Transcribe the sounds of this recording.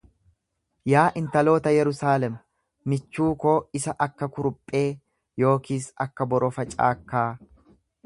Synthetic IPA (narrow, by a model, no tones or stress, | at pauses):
jaːʔɪnt̪ɐlo̞ːt̪ɐjɛɾʊsaːlɛmː | ɪt͡ʃːuːko̞ːɪsɐʔɐkːɐkʊɾʊpʼːe̞ː | jo̞ːkiːsɐ̰kːɐbɔɾɔfɐt͡ʃʼa̰ːkːaː